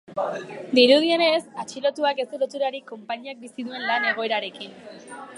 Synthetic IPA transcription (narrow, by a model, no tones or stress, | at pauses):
d̪iɾuð̞ie̞ne̞sat͡ʃilo̞t̪uake̞st̪elot̪uɾaɾiko̞mpaɲiak̚bisiðue̞nlane̞ɣ̞o̞e̞ɾaɾe̞kin